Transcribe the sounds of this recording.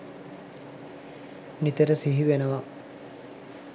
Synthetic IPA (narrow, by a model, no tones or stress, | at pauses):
nit̪əɾəsiɦiʋenəʋa